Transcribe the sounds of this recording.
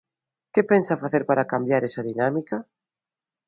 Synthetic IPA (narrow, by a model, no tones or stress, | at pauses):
kepensafaθeɾpaɾakambjaɾesaðinamikɐ